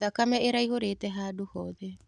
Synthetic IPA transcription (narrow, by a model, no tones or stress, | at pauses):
akameeɾajhoɾeːt̪eɦaːduhoðe